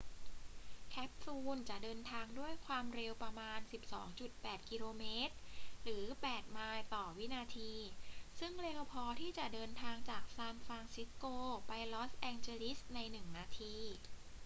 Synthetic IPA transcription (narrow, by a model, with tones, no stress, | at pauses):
kʰɛ˦˥p̚fuː˧nt͡ɕa˨˩dɤː˧nt̪ʰaː˧ŋdu˥˩əjkʰwaː˧mɾe˧wpɾa˧maː˧nsi˨˩p̚sɔ̰ː˩˦ŋt͡ɕu˨˩t̪̚pɛː˨˩t̪̚ki˧loː˧meː˦˥t̪̚ɾɯː˩˦pɛː˨˩t̪̚maː˧jt̪ɔː˨˩wi˦˥naː˧t̪ʰiː˧sɯ˥˩ŋɾe˧wpʰɔː˧t̪ʰiː˥˩t͡ɕa˨˩dɤː˧nt̪ʰaː˧ŋt͡ɕaː˨˩k̚saː˧mfa˧ŋsi˦˥t̚koː˧pa˧jlɔ˦˥sʔɛː˧ŋt͡ɕeː˧li˦˥sna˧jnɯ˨˩ŋnaː˧t̪ʰiː˧